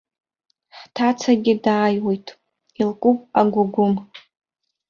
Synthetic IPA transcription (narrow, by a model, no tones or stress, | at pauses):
ħtʰat͡sʰaɡʲɪdaːjwejtʼ | ilkʷʼupʼaɡʷʊɡʷʊm